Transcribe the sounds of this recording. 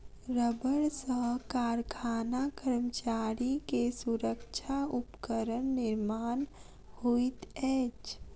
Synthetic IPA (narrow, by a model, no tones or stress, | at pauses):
ɾəbəɽsəɦkaːɾkʰaːnakəɾmət͡ʃaːɾikesʊɾəkʃʰaʊpkəɾənːɪɾmaːn | huit̪ɛːt͡ʃ